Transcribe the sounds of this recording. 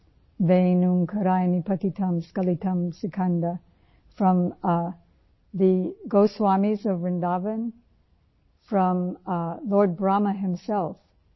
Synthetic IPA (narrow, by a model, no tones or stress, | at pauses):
vẽnuŋkʰəɾajmipʰɐkitʰɐ̃mskɐlitʰɐ̃msɨkʰɐ̃ndə | fɹʌ̃m | ðɨɡoʊswamizʌvɹɨ̃ndavə̃n | fɹʌ̃mlɔɹd̚bɹaməɦɪ̃msɛlˠf